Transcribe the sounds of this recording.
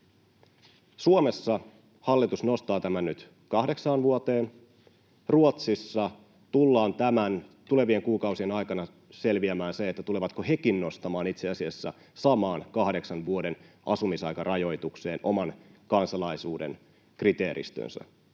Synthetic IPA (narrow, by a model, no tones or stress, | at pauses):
suome̞sːɑ | hɑlːit̪usno̞st̪ɑːt̪æmænːyt̪ | kɑhde̞ksɑːnʋuot̪e̞ːn | ruot̪sisːɑ | t̪ulːɑːnt̪æmænt̪ule̞ʋie̞ŋkuːkɑwsienɑjkɑnɑ | se̞lʋiæmæːnseet̪ːæt̪uleʋɑt̪kohekinno̞st̪ɑmɑːnit̪seɑsiæsːæ̰ | sɑmɑːnkɑhde̞ksɑnʋuode̞n | ɑsumisɑjkɑrʔɑjo̞jt̪ukse̞ːnʔo̞mɑnkɑnsɑlɑisuːdḛn | krit̪e̞ːɾḭst̪ø̰nsæ̰